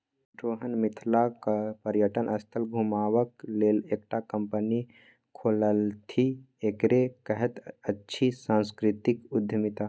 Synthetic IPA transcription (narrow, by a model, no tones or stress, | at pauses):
ɖɾoːɦənmɪt̪ʰlakapəɾjəʈənʔəst̪ʰəlɡʱumaːwəkleːleːk̚ʈakəmpəni | kʰoːləlt̪ʰi | ekɾekəɦət̪ətːʃʰisãːnskɾɪt̪ɪkʊd̪ʱjəmɪt̪a